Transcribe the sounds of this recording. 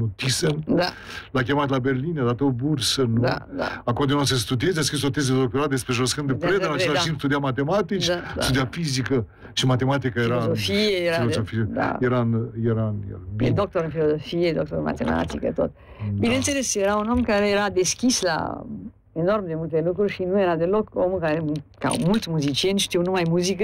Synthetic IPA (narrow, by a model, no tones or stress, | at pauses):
ot̪isənd̪a | lak̬ʲemat̪laberlinad̪at̪obursənua̰a̰akod̪enasest̪ud̪iezeaskɾisot̪ez̬ed̪ok̚t̪oɾat̪̚d̪espɾeʒoskɨnd̪epɾeed̪nat͡ʃlad͡ʒinst̪ud̪iamat̪emat̪it͡ʃt̪ud̪iafizikə | ʃimat̪emat̪ikəjeɾaofieeɾafilozofiea̰jeɾanjeɾanj̰bḛd̪ɔk̚t̪oɾənfilozofied̪ok̚t̪oɾma̰t̪ḛma̰t̪ikə̰t̪o̰t̪ | binent̪eɾeseɾaunɔmkaɾeeɾad̪eskʲisla̰ | enɔɾmd̪emult̪elukɾuɾʃinueɾad̪elɔkomukaɾɾemuka̰mult̪smuzit͡ʃjenʃt̪iwnumajmuzikə